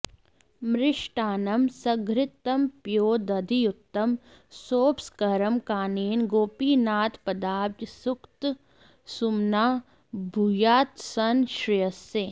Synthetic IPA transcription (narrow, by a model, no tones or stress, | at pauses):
mɾɪʃʈaːnɐmsɐɡɾɪt̪ːɐmpjoːd̪ɐd̪ijut̪ːɐm | soːpskɐɾɐmkaːneːnɡoːpiːnaːt̪pɐd̪aːpd̪jsʊkt̪ | sumnaː | bʱujaːt̪sɐnʃɾɪjɐsːe